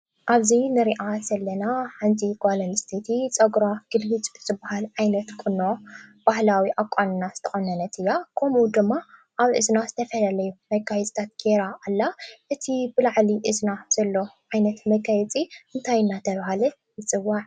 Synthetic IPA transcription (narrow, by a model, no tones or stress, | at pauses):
ʔaβzinɨɾiʔaz̥ɐlːɐnaħanziɡalɐnɨst̪ʰet̪ʰit͡sʼɐɡɾaɡ̥ɨlɡɨt͡sʼz̥ɨbːahalʕajnɐt̪kʼɨno̞b̥ahlawiʔakʷʼːannazɨ̥t̪ʰɐxʼonːɐnɐt̪ʰɨjːakʰomud̪ɨmːa | ʔaβʔɨ̰znazɨt̪ʰɐfɐlɐlɐjːumɐkːajɛt͡sʼt̪ʰat̪̚ɡ̥eɾaːlːaʔɨt̪ʰibɨlaʕliʔɨznaz̥ɐlːo̞ʕajnɐt̪mɐɡajɛt͡sʼiʔɨnt̪ʰajɨnːat̪ʰɐβahalɐ | jɨt͡sʼɨwːaʕ